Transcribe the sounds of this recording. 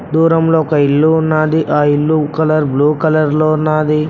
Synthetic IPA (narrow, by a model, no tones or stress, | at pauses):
d̪uːɾɐmloːɔkɐilːuunːaːd̪iʔaːilːukɐlɐɾbluːkɐlɐɾloːunːaːd̪i